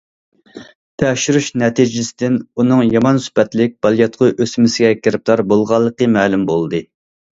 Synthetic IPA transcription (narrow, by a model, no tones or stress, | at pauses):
t̪ʰɛʃyɾyʃnɛt̪ʰid͡ʒɪsɪd̪ɪnunɨŋjɑmɑnsy̥pɛt̪lɪk̚ʲb̥ɑlˠjɑt̪qʰʊʔøsmɪsɪɡʲɛkʲʰɪɾɪp̚t̪ʰɑɾbolˠʁɑlˠːəqəmɛːlymbolˠd̪ɨ